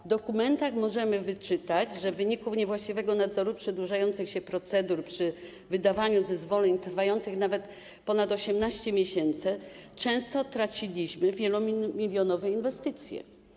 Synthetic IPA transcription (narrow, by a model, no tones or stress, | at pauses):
vd̪ɔkumɛnt̪axmɔʐɛmɘvɘt͡ʂɘt̪ad͡ʑʐɛvːɘɲikufɲɛvwaɕt͡ɕivɛɡɔnad̪zɔɾupʂɛd̪wuʐajɔnt̪sɘxɕɛpɾɔt̪sɛd̪uɾpʂɘ | vɘd̪avaɲuzɛzvɔlʲɛɲt̪ɾfajɔnt̪sɘxnavɛt̪ | pɔnat̪ɔɕɛmnaɕt͡ɕɛmʲjɛɕɛnt̪sɘt͡ʂɛ̃w̃st̪ɔt̪ɾat͡ɕilʲiɕmɘvʲjɛlɔmʲmʲilʲjɔnɔvɛinvɛst̪ɘt̪sʲjɛ̰